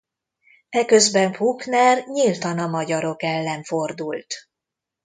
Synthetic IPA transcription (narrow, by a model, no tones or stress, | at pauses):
ɛkøzbɛɱpuknɛrɲilt̪ɒnɒmɒɟɒɾo̞kɛlːɛɱfo̞rd̪ult̪